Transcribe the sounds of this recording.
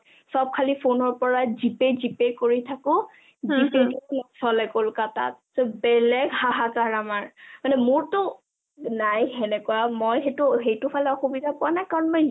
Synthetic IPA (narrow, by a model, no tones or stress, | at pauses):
sɔb̚kʰalipʰonɔɹpɔɹazipezipekoɹitʰakʊ | zisetunɔsɔlɛkolkata̰t̚ | z̥ɔbɛlɛɡhaɦakaɹamaɹmanɛmʊɹtʊ | najɦɛnɛkɔwamojxetʊxejtʊpʰalɛɔxubidʱapʊwanajkaɹɔnmɔj